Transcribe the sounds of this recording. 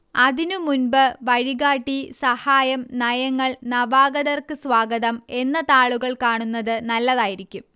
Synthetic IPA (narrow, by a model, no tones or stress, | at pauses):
ɐðinumunbɨʋɐɻiɣaːʈːisɐhaːjɐmnɐjɐŋːɐɭnɐʋaːɡɐðɐrkɨsʋaːɡɐðɐme̞nːɐt̪aːɭuɣɐɭkaːɳunːɐðɨnɐlːɐðaːjiɾikʲːum